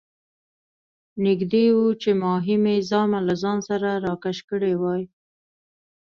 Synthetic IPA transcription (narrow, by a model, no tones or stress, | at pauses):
nɪɡd̪ewut͡ʃemɑɦɪmezɑmalazɑnsaɾaɾɑkaʃkəɽewɑj